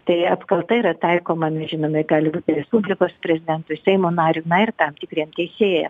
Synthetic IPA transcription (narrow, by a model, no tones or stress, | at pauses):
t̪ɐɪɐpkɐlˠt̪ɐiːɾɐt̪ɐɪkoːmɐnʲɛʒʲɪnoːmʲɐɪɡɑːlʲɪbuːt̪ʲɪɾʲɛspuːbʲlʲɪkoːspʲɾʲɛzʲɪd̪ʲɛnt̪ʊsʲɛɪmoːnɑːɾʲʊnɐɪrt̪ɐmt̪ʲɪkɾʲiɛmt̪ʲɛɪsʲeːjɛm